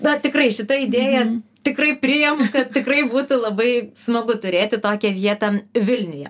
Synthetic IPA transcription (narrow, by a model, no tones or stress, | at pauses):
d̪ɐt̪ʲɪkrɐɪʃʲɪt̪ɐɪd̪ʲeːjɛt̪ʲɪkrɐɪpʲɾʲɪjɛmʊkɐt̪̚tʲɪkrɐɪbuːt̪ʊlˠɐbɐɪsmɐɡʊt̪ʊɾʲeːt̪ʲɪt̪oːkʲɛʋʲiɛt̪ɐʋʲɪlʲnʲʊjɛ̰